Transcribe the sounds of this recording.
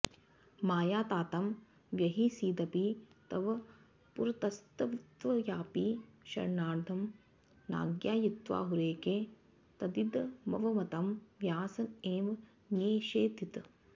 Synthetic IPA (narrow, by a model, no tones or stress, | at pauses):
maːjaːt̪aːt̪ɐm | ʋjɐɦisiːd̪ɐpit̪ɐʋɐ | puɾt̪ɐst̪ɐʋit̪ʋɐjaːpiːʃɐ̰ɾnaːɾd̪ʱɐm | na̰ːɡjaːjit̪ʋa̰ːɦuɾeːkeː | t̪ɐd̪id̪mɐ̰ʋɐmɐt̪ɐmʋjaːsɐneːʋ | njeːʃeːt̪it̪